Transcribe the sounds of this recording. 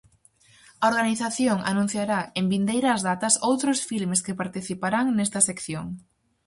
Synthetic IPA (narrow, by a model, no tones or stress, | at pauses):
ɐoɾɣaniθaθjoŋʔa̰nũn̟θjaɾaembind̪ejɾɐːzðat̪ɐsowt̪ɾʊsfilmeskepaɾt̪iθipaɾaŋnɛst̪ɐsekθjoŋ